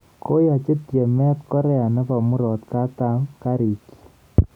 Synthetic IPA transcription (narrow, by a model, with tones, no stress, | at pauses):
ko˦jɔ˨t͡ʃe˦t̪je˨mɛ˦t̪kɔ˦ɾɛ˦a˨nɛ˦pa˨mu˦ɾɔ˨t̪ka˦t̪a˦mka˦ɾi˨ki̥˨